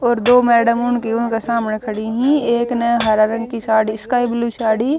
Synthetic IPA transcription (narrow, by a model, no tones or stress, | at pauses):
ɔːɾd̪oːmɛːɖəmʊnkiʊnkesaːmnekʰɐɽiɦĩeːknəɦɐɾaːɾə̃ŋɡkisaːɖiskaːɪbluːsaːɽiː